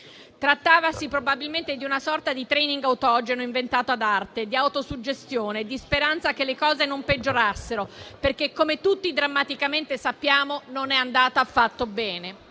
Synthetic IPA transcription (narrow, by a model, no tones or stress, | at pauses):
t̪ɾat̪ːaːvasipɾobabilment̪ed̪iunasɔrt̪ad̪it̪ɾɛniŋɡawt̪ɔd͡ʒenoiɱvent̪aːt̪oad̪art̪ed̪iawt̪osud͡ʒːest̪joːned̪ispeɾant̪sakelːekɔːzenomped͡ʒːoɾasːeɾoperkekːomet̪ut̪ːid̪ɾamːat̪ikament̪esapːjaːmononɛand̪aːt̪aːfːat̪ːobɛːne